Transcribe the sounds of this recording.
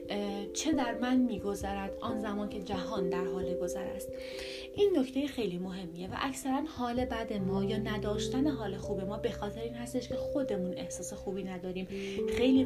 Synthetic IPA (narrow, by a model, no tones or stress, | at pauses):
t͡ʃʰe̞d̪æɾmænmiːɡo̞zæɾæd̪̥ɒːnzæmɒːncʰe̞d͡ʒæɦɒːnd̪æɾɦɒːleɡo̞zæɾæ̰st̪ | ʔiːnːo̞ct̪ʰejexe̞jliːmo̞ɦe̞mːije̞væ̰ʔæcsæɾænhɒːle̞bæd̪e̞mɒːjɒːnæd̪ɒːʃt̪æne̞ɦɒːle̞xuːbemɒːbe̞xɒːt̪ʰe̞ɾeiːnhæst̪e̞ʃcʰexo̞d̪e̞mune̞hsɒːse̞xuːbiːnæd̪ɒːɾiːmxe̞jliː